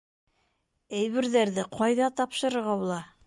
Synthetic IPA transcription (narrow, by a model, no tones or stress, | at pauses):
æjβɘ̆ɾðæɾðɘqʰɑjðɑt̪ɑpʃɤ̆ɾɤ̆ɾʁɑbulˠɑ